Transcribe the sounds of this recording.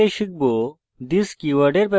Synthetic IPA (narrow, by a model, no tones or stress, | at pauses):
eʃik̚bo | d̪iskiʋɐɖeɾpe